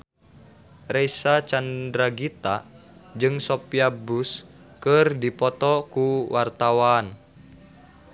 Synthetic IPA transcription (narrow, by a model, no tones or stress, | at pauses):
rɛisat͡ʃandɾaɡit̪ad͡ʒɨŋsopiabus | kɨrdipɔt̪ɔkuwart̪awan